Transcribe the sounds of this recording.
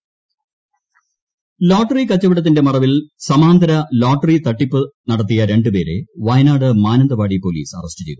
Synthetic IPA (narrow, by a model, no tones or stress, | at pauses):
loːʈːɐrikɐt͡ɕːɐʋiɽɐt̪̬ːinde̞mɐrɐʋilsɐmaːnd̪ʱɐɾɐloːʈːrit̪ɐʈːipːɨnɐɽɐt̪̬ːijɐɾe̞ɳɖɨpe̞ːɾḛʋɐjnaːɽɨmaːnɐnd̪ɐbaːɽipo̞lḭːsɐ̰rɐstɨt͡ɕe̞̰jðu